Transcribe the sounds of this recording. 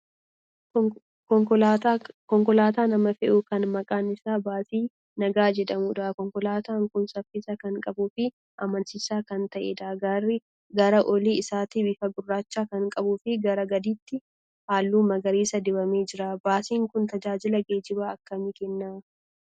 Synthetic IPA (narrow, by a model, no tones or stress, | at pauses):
ɔŋkː | kɔŋkɔlaːt̪aːnɐmɐfɛʔʊkɐnmɐkʼaːnɪsaːbaːt̪iː | nɐɡaːd͡ʒɛd̪ɐmuːᶑɐːkɔŋkɔlaːt̪aːŋkʊnsɐfːɪsɐkɐŋkʼɐbuːfɪ | ʔɐmɐnsɪsaːkɐnt̪ɐʔḛːd̪aːɡɐrɪ | ɡɐɾɐʔɔliːɪsaːt̪ibɪːfɐɡʊrːaːt͡ʃːaːkɐŋkʼɐbʊfɪɡɐɾɐɡɐd̪iːt̪ːɪ | haːlːuːmɐɡɐɾiːsɐd̪ɪbɐme̞ːd͡ʒɪɾaːbaːsiːŋkʊnt̪ɐd͡ʒaːd͡ʒɪlɐɡeːd͡ʒɪbaːɐkːɐmɪkɛnːaː